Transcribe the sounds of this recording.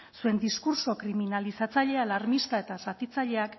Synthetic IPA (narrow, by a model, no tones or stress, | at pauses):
sue̞nd̪iskuɾso̞kɾiminalisat͡saʎe̞alaɾmist̪ae̞t̪asat̪it͡saʎe̞ak